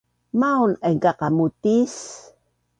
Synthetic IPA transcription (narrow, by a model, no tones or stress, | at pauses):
maunaŋkaqamut̪is